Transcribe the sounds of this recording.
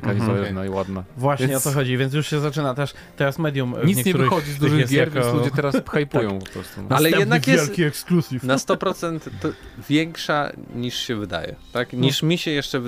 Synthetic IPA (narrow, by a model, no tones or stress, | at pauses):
kaɲizaɛvnaiwad̪navwaɕɲɛɔt̪ɔxɔd͡ʑivʲjɛnt̪̬juʂɕɛzat͡ʂɘnat̪ɛʂ | t̪ɛɾasmɛd̪jumɲit̪ɲɛk̪ɲɛuvɾxɔd͡ʑizd̪uʐɨɣjɛsɡʲjjaɾvkjnlud͡ʑɛɛɾaspxajpujɔ̃w̃pɔpɾɔst̪ṵnaalɛj̪ɛɛd̪navjɛjɛlkʲiɛksklusʲifnast̪ɔpɾɔt̪sɛnt̪vʲjɛŋkʂa̰ɲiʂɕɛvɘd̪a̰jɛ̰t̪akɲiʂmʲiɕɛjɛʂt͡ʂɛv